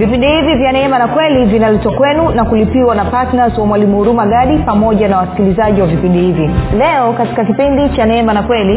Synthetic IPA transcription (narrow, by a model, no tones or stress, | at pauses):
vipindihivivjanɛɛmanakwɛlivinalɛtwakwɛnunakulipiwanapatnazwamwalimuuɾumaɡaɗipamɔʄanawasi̥kilizaʄiwavipindihivilɛɔkati̥kakipindit͡ʃanɛɛmanakwɛli